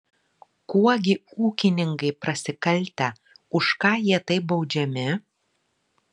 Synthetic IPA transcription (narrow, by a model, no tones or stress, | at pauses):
kuɔɡʲɪuːkʲɪnʲɪŋkɐɪpɾɐsʲɪkɐlʲˑt̪ʲɛ | ʊʃkɑːjiɛt̪ɐɪp̚bɒʊd͡ʒʲɛmʲɪ